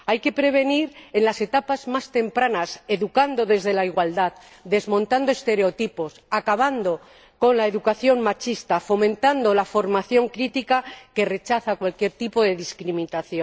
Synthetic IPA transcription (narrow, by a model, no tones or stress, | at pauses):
ajke̞pɾe̞β̞e̞niɾe̞nlase̞t̪apazmast̪e̞mpɾanase̞ðukand̪o̞ðe̞zðe̞laiɣwald̪að | d̪e̞zmõ̞nt̪and̪oe̞st̪e̞ɾe̞o̞t̪ipo̞sakaβ̞and̪o̞ | ko̞nlae̞ðukaθjo̞ŋmat͡ʃist̪afo̞mẽnt̪and̪o̞lafo̞ɾmaθjo̞ŋkɾit̪ikake̞re̞t͡ʃaθakwalkje̞ɾt̪ipo̞ðe̞ðiskɾimĩt̪aθjo